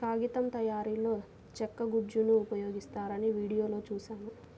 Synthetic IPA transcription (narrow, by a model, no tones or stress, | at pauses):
kaːɡit̪ɐmt̪ɐjaːɾiːlo̞ː | t͡ʃɛkːɐɡud͡ʒunuːpɐjo̞ːɡist̪aːɾɐniʋiːɽijoːlo̞ːt͡ʃuːʃaːnu